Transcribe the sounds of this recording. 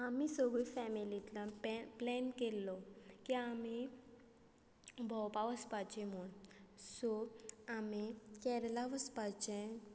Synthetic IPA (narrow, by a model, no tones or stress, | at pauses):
amisɔɡifɛmilit̪lãpplɛnkelːɔkiami | bʱɔwpaʋəspat͡ɕɛ̃m̤oɳsɔamikɛɾlaʋəspat͡ɕɛ̃